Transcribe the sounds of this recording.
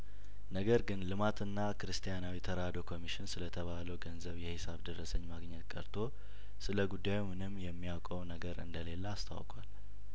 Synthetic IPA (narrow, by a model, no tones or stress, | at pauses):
nəɡəɾɡɨnlɨmat̪ʰɨnːakɨɾɨst̪ʰʼijanawit̪ʰəɾad̪o̞kʰo̞miʃɪnsɨlət̪ʰəβaləwɡənzəβjɛhɪsaβd̪ərːəsəɲːmaɡɲːɛt̪kʼə̰ɾt̪ʰo̞ | sɨləɡud̪ːajumɨnɨmːjɛmːijawkʼəwnəɡəɾɨ̰nd̪əle̞ləast̪ʰa̰wkʼwa̰l